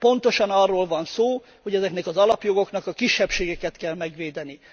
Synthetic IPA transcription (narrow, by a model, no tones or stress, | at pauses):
po̞nt̪o̞ʃɒnɒrːoːlvɒnsoː | ho̞ɟɛzɛknɛkɒzɒlɒpjo̞ɡo̞knɒkɒkiʃːɛpʃeːɡɛkɛt̪kɛlmɛɡʋeːd̪ɛni